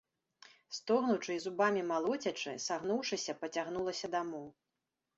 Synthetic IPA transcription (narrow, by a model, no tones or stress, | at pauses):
st̪ɔɣnut͡ʂɨizubamʲimalˠɔt͡sʲɐt͡ʂɨ̰saɣnuwʂɨsʲɐpɐt͡sʲaɣnulˠɐsʲɐd̪amɔw